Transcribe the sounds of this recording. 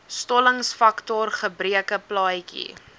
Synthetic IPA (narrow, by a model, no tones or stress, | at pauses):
stɔləŋsfɐktɔrχəbɾiəkəplɑːjkḭ